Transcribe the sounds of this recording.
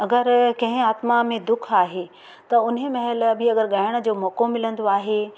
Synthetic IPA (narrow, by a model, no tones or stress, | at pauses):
ɐɡəɾkɐ̃ɦɪ̃aːt̪mamẽd̪ʊkʰaːɦe | t̪ɐʊnɦemɐɦɪlɐbiɐɡəɾɠɐɦɪɽ̃̆d͡ʑoːmɔːkomɪlə̃nd̪oaːɦe